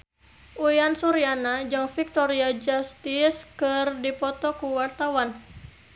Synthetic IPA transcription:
ʔuiansuɾianad͡ʒɨŋfik̚t̪ɔɾiad͡ʒast̪iskɨrdipɔt̪ɔkuwart̪awan

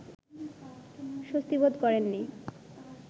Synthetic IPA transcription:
ʃost̪ibod̪kɔɾenːi

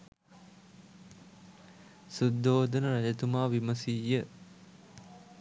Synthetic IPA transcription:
sud̪ːoːd̪ənəɾaʎət̪umaːʋiməsijə

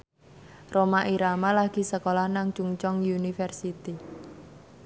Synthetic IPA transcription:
romaʔiɾamalaɡ̥i̤səkolahnaŋt͡ʃuŋt͡ʃɔŋjunifɛrsit̪i

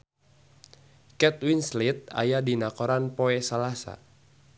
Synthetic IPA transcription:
kɛt̪winslit̪̚a̰jadinakɔɾanpoɛsalasa̰

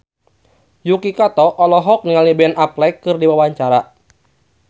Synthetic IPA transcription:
jukikat̪ɔʔːlɔɦɔk̚niŋalnibɛnaplɛkːɨrdiwawaɲt͡ʃaɾa

